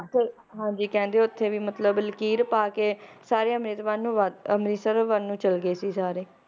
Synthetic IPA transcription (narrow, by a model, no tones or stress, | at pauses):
t̪e | ɦãːd͡ʒiːkɛ̃ːnd̪eoʊt̪ʰːeːʋiːmət̪ləbləkiːɾpaːkeːsaːɾeːəmɾiːt̪ʋaːnũːʋaəmɾiːsəɾʋanũːt͡ʃəlɡeːsiːsaːɾeː